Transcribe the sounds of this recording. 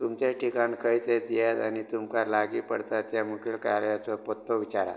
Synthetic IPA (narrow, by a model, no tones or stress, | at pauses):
t̪umt͡ɕaʈʰikankʰəjt̪ed̪ijat̪anit̪umkalaɡipəɽt̪at̪jamukʰiɭkaɾjat͡sɔpɔt̪ːɔʋit͡ɕaɾa̰